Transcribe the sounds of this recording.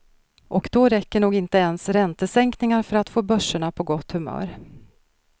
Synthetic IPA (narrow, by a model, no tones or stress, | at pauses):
ʔɔkd̪ɔɾɛkːəɳuːɡɪnt̪əɛnsɾɛnt̪əsɛŋknɪŋaɾfœɾat̪foːbœʂːʊɳapʰɔɡɔt̪ːhɵmœ̰ːɾ